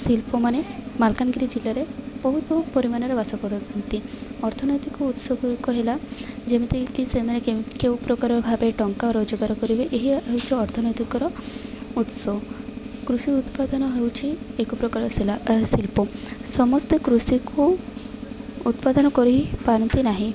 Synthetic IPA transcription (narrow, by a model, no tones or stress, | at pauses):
silpɔmanemalkanɡiɾid͡ʒilːaɾeb̥ɔɦut̪ɔpɔɾimanɔɾebasɔkɔɾɔɔnt̪iɔɾt̪ʰɔnɔjt̪ikɔut̪sɔɡuɾkɔɦelad͡ʒemit̪ikisemanekewpɾɔkaɾɔɾbʱabeʈɔŋkaoɾod͡ʒɔɡaɾɔkɔɾibeʔeɦiɦewt͡ʃʰiɔɾt̪ʰɔnɔjt̪ikɔɾɔut̪sɔkɾusiut̪pad̪ɔnɔɦewt͡ʃʰiekɔpɾɔkaɾɔssilpɔsɔmɔst̪ekɾusikʰu | ut̪pad̪ɔnɔkɔɾuɦipaɾɔnt̪inaɦĩ